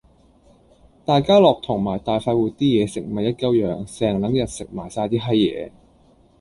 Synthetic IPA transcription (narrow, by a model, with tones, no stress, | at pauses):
t̪aː˨jkaː˥lɔː˨k̚t̪ʰʊ˨˩ŋmaː˨˩jt̪aː˨jfaː˧t̚wuː˨˩t̪iː˥jɛː˨˧sɪ˨k̚mɐ˨˩jɐ˥t̚kɐ˥wjœː˨ŋsɛː˨˧ŋlɐ˨˥ŋjɐ˨˩t̚sɪ˨k̚maː˨˩jsaː˧t̪iː˥ɦɐ˥jːɛ̰ː˨˧